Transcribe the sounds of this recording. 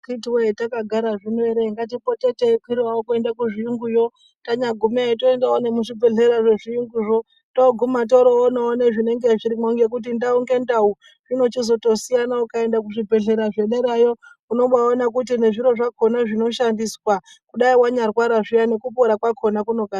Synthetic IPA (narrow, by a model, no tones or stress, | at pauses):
kitiwetakaɡʱaɾaʐineɾeŋɡat̬ipo̞tetekiɾwawokue̞ndakuʐijuŋɡujo̞ | taɲaɡʱumetoendaone̞muʐibʱe̞ɮeɾaʐe̞ʐijuŋɡuʐo̞ | to̞ɡʱumat̬o̞ɾoonaoneʐine̞ŋɡe̞ʐiɾimouŋɡe̞k̬ut̬indauŋɡe̞ndau | ʐino̞t͡ʃizo̞to̞sijanaukae̞ndak̬uʐibʱe̞ɮe̞ɾaʐe̞ɗeɾajo̞ | uno̞ɓaonakut̬ine̞ʐiɾo̞ʐako̞naʐino̞ʃandiswa | kuɗaiwaɲarwaɾaʐijane̞kupoɾakwakʰo̞nakuno̞ɡʱaɾa